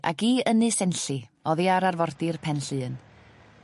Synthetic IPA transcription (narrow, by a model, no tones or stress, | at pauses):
ʔa̰ɡiːənɨsɛnɬɨɔðiaɾarvɔrdɪrpʰɛnɬɨːn